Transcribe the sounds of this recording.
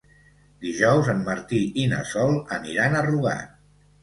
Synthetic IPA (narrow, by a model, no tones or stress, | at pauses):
d̪iʒɔwzənməɾt̪iinə̰sɔlˠəniɾanəruɣa̰